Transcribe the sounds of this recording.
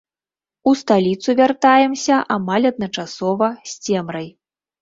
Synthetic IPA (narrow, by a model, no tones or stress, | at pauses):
ust̪alʲit̪suvʲart̪ajɛmsʲɐʔamalʲɐd̪̚nɐt͡ʂasɔvɐsʲt͡sʲɛmɾɐj